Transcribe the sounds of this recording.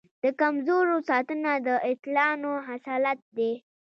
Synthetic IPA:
d̪̥əkamzoɾosɑt̪ənad̪əɪt̪lɑnoɦasɑlat̪̚d̪e

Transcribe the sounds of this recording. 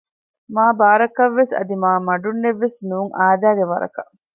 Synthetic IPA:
maːbaːɾɐkɐʋːesɐ̰d̪imaːmɐɖunːeʋːesnuːŋʔaːd̪æːɡeʋɐɾɐ̰kɐʔ

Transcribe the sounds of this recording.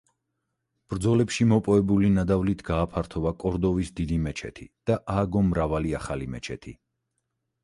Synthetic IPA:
b̥ɾd̪zɔlɛpʃimɔpʼɔɛbulinad̪avlit̪ʰɡaːpʰaɾt̪ʰɔvakʼɔɾd̪ɔvisd̪id̪imɛt͡ʃʰɛ̰t̪ʰid̪̥aʔaɡɔmɾavaliaχalimɛt͡ʃʰɛt̪ʰi

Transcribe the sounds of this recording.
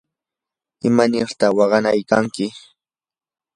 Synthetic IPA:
ɪmanɪɾt̪ɑwɑɢɑnajkaŋkɪ

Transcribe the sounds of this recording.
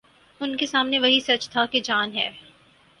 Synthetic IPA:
ʊnkesaːmneʋɐɦisɐt͡ʃt̪ʰaked͡ʒaːnɦɛ̰ː

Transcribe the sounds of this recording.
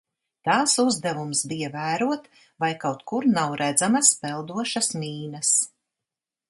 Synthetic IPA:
t̪aːsuzd̪ɛvumsbijavæːɾuɔt̪ | vajkawt̪kuɾnawɾʔæd̪zamaspɛlˠd̪uɔʃasmiːnɐs

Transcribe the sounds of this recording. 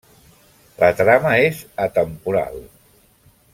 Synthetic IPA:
lət̪ɾaməezət̪əmpuɾa̰lˠ

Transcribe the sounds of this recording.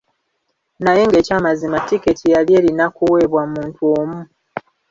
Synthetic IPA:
naje̞ŋɡe̞ːcaːmazimatiketʰijalje̞ːlinakuwe̞βwamuːntuoːmu

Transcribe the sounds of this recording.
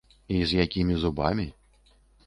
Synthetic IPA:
izʲjakʲimʲizuba̰mʲi

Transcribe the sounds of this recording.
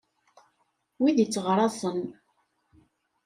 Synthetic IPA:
wiðit͡sːəʁɾˤɑsən

